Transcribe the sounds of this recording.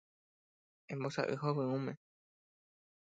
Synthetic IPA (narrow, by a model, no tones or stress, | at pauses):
ẽmbosa̰ʔɨ̰ɦoβɨ̃ũmẽ